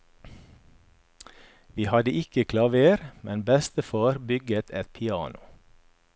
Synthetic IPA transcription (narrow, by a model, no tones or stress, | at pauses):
ʋiːhɑd̪əʔɪkəkʰlɑʋeːɾmɛnbɛst̪əfɑːɾbʏɡət̪ʰɛt̪̚pʰɪɑ̰ːnʊ